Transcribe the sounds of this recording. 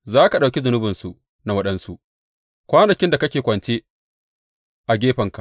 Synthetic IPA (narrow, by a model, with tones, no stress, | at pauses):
zaː˦ka˨ɗa˨wkʲi˦zʊ˨nʊ˦bɪ˨nsu˨ʔ | na˨wɐ˦ɗɐ˦nsu˦˨ʔ | kʷaː˦nɐ˨kʲɪ˦nda˨kɐ˦kʲeː˨kʷɐ˨nt͡ʃeː˦ | ʔa˨ɡʲeː˦ɸɐ˨ŋka˨